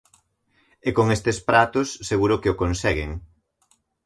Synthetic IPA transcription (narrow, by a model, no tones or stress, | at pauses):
ekoŋest̪espɾat̪ʊsːeɣuɾʊkɪokonsɛɣeŋ